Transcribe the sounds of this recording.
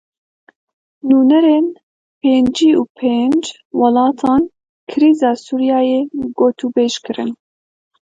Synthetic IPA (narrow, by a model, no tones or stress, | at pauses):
nuːnɛɾeːn | pʰeːnd͡ʒiːuːpʰeːnd͡ʒ | wɑlɑːt̪ʰɑːn | kʰɨɾiːzɑːsuːɾijɑːjeːɡoːt̪uːbeːʃkɨɾɨ̰n